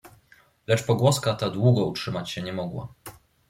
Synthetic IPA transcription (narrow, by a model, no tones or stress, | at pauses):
lɛt͡ʂpɔɡwɔskat̪ad̪wuɡɔutʂɘmat͡ɕɕɛɲɛmɔɡwa̰